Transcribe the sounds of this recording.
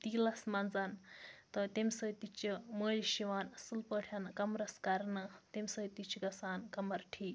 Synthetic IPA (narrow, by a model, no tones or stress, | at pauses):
t̪iːlɐsmɐnd͡zant̪ɔt̪emʲsəjt̪it͡ʃiməːliʃiʋaːnsulpəʈʰjɐnkɐmɾɐskɐɾnɐt̪emʲsəjt̪it͡ʃʰiɡɐsaːnkɐmɐɾʈʰiː